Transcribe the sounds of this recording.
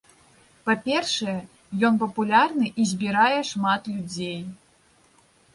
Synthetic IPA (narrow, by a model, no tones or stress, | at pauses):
papʲɛrʂɐjɛ | jɔnpɐpulʲarnɨʔizʲbʲiɾajɛʂmat̪lʲud͡zʲej